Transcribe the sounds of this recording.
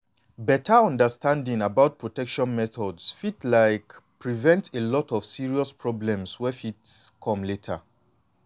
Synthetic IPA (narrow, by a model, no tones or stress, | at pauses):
bɛtʰəɔ̃ndəstʰãndĩŋabaʊt̚pʰɹɔtɛkʃɔ̃nmɛθɔdsfitlaɪkpɹivɛ̃ntelɔtɔv̥siɹiɔspʰɹɔblɛ̃mswɛfitskʰɔ̃mletʰə